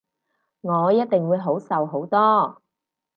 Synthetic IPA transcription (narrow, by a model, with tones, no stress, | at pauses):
ŋɔː˨˧jɐ˥t̚t̪ɪ˨ŋwuː˨˧jɦo˨˥wsɐ˨wɦo˨˥wt̪ɔː˥